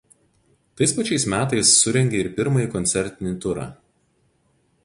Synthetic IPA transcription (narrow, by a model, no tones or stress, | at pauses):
t̪ɐɪspɐt͡ʃʲɛɪsmʲæːt̪ɐɪsːʊɾʲɛŋʲɡʲeɪɾpʲɪɾmɐjiːˑkɔnʲt̪sʲɛɾʲt̪ʲɪnʲit̪ʊɾɑ̰ː